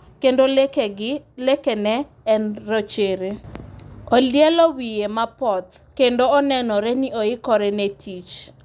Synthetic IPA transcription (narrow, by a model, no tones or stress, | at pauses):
kendolekɡɪlekenɛ | ɛnrot͡ʃeɾe | oljɛlɔwijemapɔt̪ | kendoɔnɛnɔɾenioɪkɔɾenetʰit͡ʃ